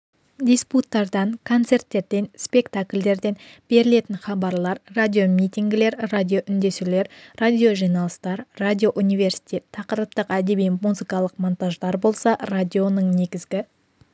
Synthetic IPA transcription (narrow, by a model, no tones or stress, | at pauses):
d̪ʲisput̪ːɑɾd̪ɑŋkʰo̞nt̪se̞rt̪ːe̞ɾd̪e̞nspʲe̞kt̪aklʲd̪e̞ɾd̪e̞nb̥e̞ɾɪle̞t̪ɪnχɑbɑɾlˠɑɾrad̪ʲijo̞mʲit̪ʲiŋɡʲɪle̞ɾradʲijo̞ʔʏnd̪e̞sule̞ɾrad̪ʲijo̞ʒijnɑlˠəst̪ɑɾrad̪ʲijo̞ʔunijve̞ɾsi̥t̪ʲe̞t̪ʰːɑqəɾəp̚t̪əqæd̪e̞bijmuzɨkɑlˠəqmo̞nt̪aʒd̪ɑɾbo̞lˠsɑrad̪ʲio̞nəɴne̞ɡʲɪzɡʲɪ